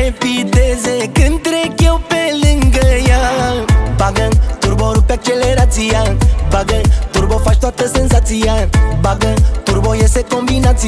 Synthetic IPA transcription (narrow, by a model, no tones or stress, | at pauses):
epit̪ezekɨnt̪ɾekjewpeliŋɡəja | baɡɐt̪uɾbɔɾupɛk̚t͡ʃeleɾat͡siabaɡɐt̪uɾbɔfast̪at̪əsens̬at͡siabaɡɐt̪uɾβojesekõmbinat͡s